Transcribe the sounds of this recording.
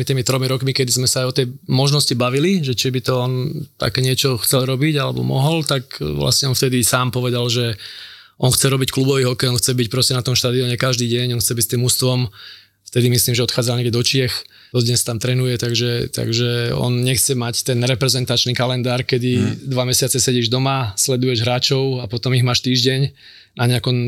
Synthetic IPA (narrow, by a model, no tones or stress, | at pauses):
mit̪iːmit̪ɾɔmiɾɔkmikɛd̪izmɛsaːjɔt̪ɛjmɔʒnɔscibaʋiliʒɛt͡ʃɪɛbit̪ɔɔnt̪a̰kɛɲɪɛt͡ʃɔxt͡sɛlɾɔbiɟalɛ̰bɔ̰mɔɦɔlt̪akʋla̰sɲɛɔnft̪ɛd̪isaːmpɔʋɛd̪alʒɛ | ʔɔnxt͡sɛɾɔbicklubɔʋiɦɔkɛjɔnxt͡sɛbic̚pɾɔscɛnat̪ɔmʃt̪aːd̪iɔɲɛkaʒd̪iːɟɛɲɔnxt͡sɛbicst̪iːmust̪ʋɔm | ft̪ɛd̪imisliːmʒɛɔt̪xaːd͡zalɲɛɡɟɛd̪ɔt͡ʃɪɛx | d̪ɔd̪ɲɛst̪amt̪ɾɛnujɛt̪aɡʒɛt̪a̰ɡʒɛɔ̰nɲɛxt͡sɛmact̪ɛnɾɛpɾɛzɛnt̪at͡ʃniːkalɛnd̪aːɾkɛd̪id̪ʋamɛsɪat͡sɛsɛɟɛʒd̪ɔmaslɛd̪ujɛʒɦɾaːt͡ʃɔʊapɔt̪ɔmiɣmaːʃt̪iːʒɟɛɲ | naɲɛakɔm